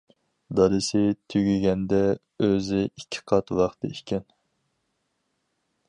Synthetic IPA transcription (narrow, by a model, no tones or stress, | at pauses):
d̪ɑɾɨsɪt̪ʰyɡʲiɡʲɛnd̪ɛ | øzɪikʲʰːi̥qʰɑt̪wɑχt̪ɨ̰ikʲɛn